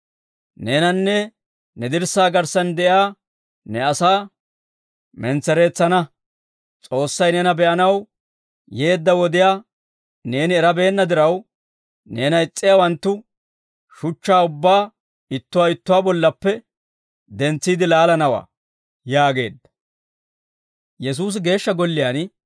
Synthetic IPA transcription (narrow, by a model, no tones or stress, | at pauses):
ne̞ːnɐnːɛ | nɛd̪ɪɾsaːɡɐɾsɐnd̪ɛʔaː | nɛɐsaː | mɛnt͡sːɛɾe̞ːt͡sːɐnɐ | t͡sʼo̞ːsːɐjnɛnɐbɛʔɐnɐw | je̞ːd̪ːɐwɔd̪ɪjaː | ne̞ːnɪːɾɐbe̞ːnːɐd̪ɪɾɐw | ne̞ːnɐɪt͡sʼːɪjaːwɐnt̪ːʊ | ʃʊt͡ʃːaːʊbːaː | ɪt̪ːʊwaɪt̪ːʊwaːbɔlːɐpːɛ | d̪ɛnt͡sːiːd̪ɪlaːlɐnɐwa̰ː | jaːɡe̞̰ːd̪ːɐ̥ | jɛs̬uːs̬ɪɡe̞ːʃːɐɡɔlːɪjaːn